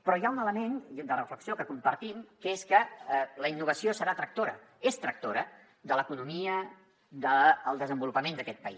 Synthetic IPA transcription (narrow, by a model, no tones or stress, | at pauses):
pɾɔjaunələmend̪ərəfləksiokəkumpəɾt̪imkəeskələinːuβ̞əsiosəɾat̪ɾək̚t̪oɾə̰ | est̪ɾək̚t̪oɾə | d̪ələkunumiə | d̪əːlˠd̪əzəmbulupəmend̪əkɛt̪̚pəḭ